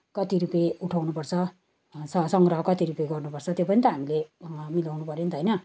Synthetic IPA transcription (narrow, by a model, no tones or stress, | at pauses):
kʌt̪iɾupeuʈʰawnupʌrt͡sʰʌ | ʌsʌŋɡrʌɦʌkʌt̪iɾupeɡʌrnupʌrt͡sʰʌt̪jopʌnit̪ʌɦamilemilawnupʌɾjent̪ʰʌjnʌ